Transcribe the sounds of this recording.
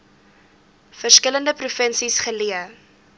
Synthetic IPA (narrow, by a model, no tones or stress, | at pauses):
fərskələndəprufənsisχəliə